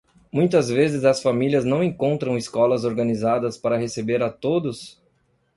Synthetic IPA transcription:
mũj̃t̪ɐzvezɪzɐsfamiliɐznɐ̃w̃ẽŋkõnt̪ɾɐ̃w̃iskɔlɐzoɾɡɐnizad̪ɐspaɾɐɦesebeɾat̪od̪ʊs

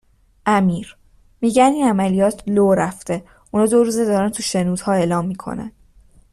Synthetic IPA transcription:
ʔæmiːɾ | miːɟænd̪iːnæmælijɒːt̪ʰloːɾæft̪e̞ | ʔunɒːd̪oɾuːzed̪ɒːɾænt̪ʰuʃenuːd̪̥hɒːe̞ːlɒːmːiːkʰo̰næ̰n

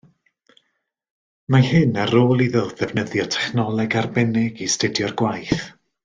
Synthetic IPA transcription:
mahɨnaɾoːlˠiðɪlˠðɛvnəðjɔtʰɛ̥χnɔlˠɛɡarbɛnɪɡistədjɔrɡwajθ

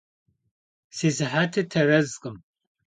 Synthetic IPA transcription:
seːzɨħaːtʰɨtʰɐrɐzqʼɨm

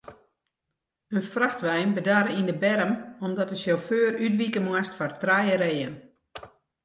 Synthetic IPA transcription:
ənfraxtʋɛjnbədaːɾindəbɛɾəmɔmdɔtəsjoføːrytʋikəmwastfɔrtrajəɾeːjən

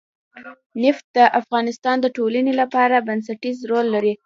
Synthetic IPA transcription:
nɪft̪̚d̪əʔafɣɑnɪst̪ɑnd̪əʈolanelapɑɾabans̬aʈizɾolːaɾi

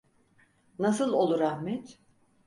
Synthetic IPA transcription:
nasɯlˠo̞lˠuɾahmɛt̪

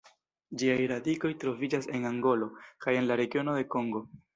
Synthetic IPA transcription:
d͡ʒiajɾadiko̞jtɾo̞vid͡ʒase̞naŋɡo̞lo̞kaje̞nlaɾe̞ɡio̞no̞de̞ko̞ŋɡo̞

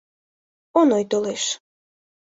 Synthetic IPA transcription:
onojt̪oleʃ

